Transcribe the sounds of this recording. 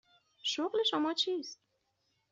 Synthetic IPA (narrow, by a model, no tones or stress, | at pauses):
ʃoqliʃɔmɒt͡ʃʰist̪̚